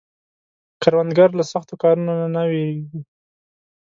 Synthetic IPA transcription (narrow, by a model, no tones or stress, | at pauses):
kaɾwand̪ɡaɾlasaxt̪okɑɾunonanaweɡi